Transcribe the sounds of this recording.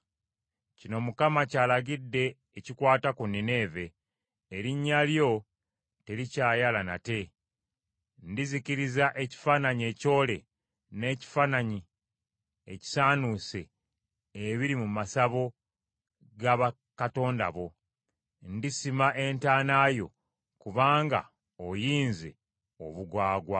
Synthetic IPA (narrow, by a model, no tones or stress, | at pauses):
cino̞mukamacaːlaɡidːe̞ː | cikwaːtakunːine̞ːve̞ː | ɾiɲːaljo̞ | te̞ɾicaːjalana̰te̞ | ndiziciɾizaʔe̞ci̥faːnaɲe̞co̞ːle̞ | ne̞ːci̥faːnaɲi | ḛci̥saːnuse̞ | eβiɾimumasaβo̞ | ɡaβa | kato̞ːnda̰βo̞ | ndisimaʔe̞ntaːnaːjo̞̰ | kuβaːŋɡa̰ | ojiːnze̞̰ | o̞βuɡwaːɡwa